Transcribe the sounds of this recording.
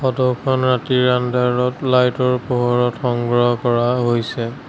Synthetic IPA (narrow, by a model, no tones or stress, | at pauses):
xɔdɔkʰɔnɹatiɹandaɹɔtlajtɔɹpoɦɔɹɔtxɔŋɡɹɔɦɔkɔɹaɦojsɛ